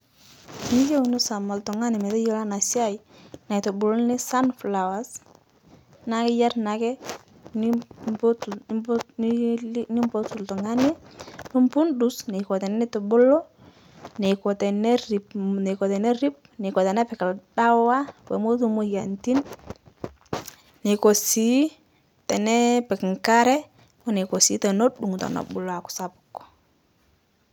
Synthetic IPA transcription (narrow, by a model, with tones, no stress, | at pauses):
je˦wni˦sa˨ma˨ltɔ˨ŋa˦nɪ˨mɛ˨ðɛ˦jɔ˦la˦na˨sja˦ji˨na˨jtɔ˨bu˨lɔ˦nɪ˦sa˦nfla˨wa˨s | na˨kɛ˦ja˦ɾna˨kɛ˦˨˦ | ni˦mbɔ˦tu˨ltɔ˨ŋa˦ni˦nu˦mpu˦ndu˨snɛ˨kɔ˨tɛ˨n˦nɛ˦tɔ˨bo˦lɔ˦ | ne˨kɔ˨tɛ˨nɛ˦ɾi˨pne˨kɔ˨tɛ˨nɛ˦ɾi˦p̚ne˨kɔ˨tɛ˨nɛ˦pɛ˨ka˨lɗa˦wa˦wɛ̰˨mo˦tu˦mo˦ja˨nti˦n | ne˨ko˨si˨˦ | tɛ˨nɛ˦pɛ˨kŋka˦ɾɛ˦ | wɛ˦ne˨ko˨si˨˦tɛ˨no˦ɗu˨ŋ˨tɔ̰˨nɔ̰˨ɓu˨lɔ˨a˨ku̥˨sa˨pu̥˨kːɔ̥˨